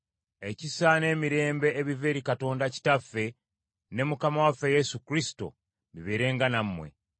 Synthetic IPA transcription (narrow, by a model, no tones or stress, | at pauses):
e̞cisane̞ːmiɾe̞ːmbe̞ːβive̞ːɾikato̞ːndaci̥tafːe̞ | ne̞mukamawafeje̞sukɾisi̥to̞̰ | βiβeːɾe̞ːŋɡanamːwe̞̰